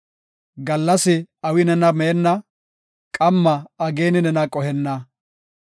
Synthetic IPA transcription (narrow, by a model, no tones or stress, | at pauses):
ɡɐlːɐsɪɐwɪnɛnɐmeːnːɐ | kʼɐmːɐɐɡeːnɪnɛnɐkʼɔhɛnːɐ